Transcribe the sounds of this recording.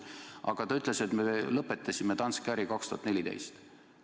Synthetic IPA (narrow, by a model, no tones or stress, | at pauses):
ʔɑ̰ɡ̥ɑt̪ɑyt̪ˑle̞se̞t̪melɤpːe̞t̪ːˑɑsʲimet̪ɑnskæɾikɑkst̪uhɑt̪ne̞lʲid̪e̞̰jst̪